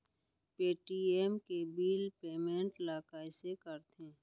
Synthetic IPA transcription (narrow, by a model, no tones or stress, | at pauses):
peːʈiːeːmkebiːlpeːmẽːɳʈlaːkaːɪsekəɾt̪ʰẽː